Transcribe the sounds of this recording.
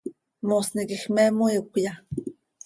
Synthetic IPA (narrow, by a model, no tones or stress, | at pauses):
mosnikixmemojukʷja